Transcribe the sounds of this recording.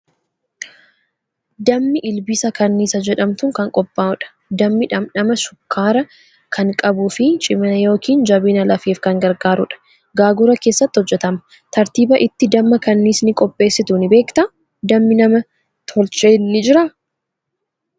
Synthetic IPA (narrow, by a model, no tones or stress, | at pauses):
d̪ɐmːɪʔɪlbɪsɐkɐnːiːsɐd͡ʒɛᶑɐmt̪ʊŋkɐŋkʼɔpʼːaːɔᶑɐ̥ | d̪ɐmːɪᶑɐmᶑɐmɐʃʊkʰːaːɾɐ | kʰɐŋkʼɐbuːfɪt͡ʃʼɪmɐnɐjo̞ːkiːnd͡ʒɐbiːnɐlɐfeːfkɐŋɡɐɾɡaːɾʊᶑɐ̥ | ɡaːɡʊɾɐke̞ːsːɐt̪ːɪhɔd͡ʒːɛt̪ɐmɐ̥ | t̪ɐɾt̪iːbɐʔɪt̪ːɪd̪ɐmːɐkɐnːiːsnɪkʼɔpʼːe̞ːsːɪt̪unɪbe̞ːkt̪ɐ | d̪ɐmːɪnɐmɐ | t̪ʰɔlt͡ʃʼeːnːɪd͡ʒɪɾɐ